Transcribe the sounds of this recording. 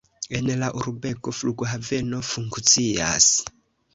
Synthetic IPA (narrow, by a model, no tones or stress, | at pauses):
enlaʔuɾubeɡofluɡoɦavenofuŋkt͡sia̰s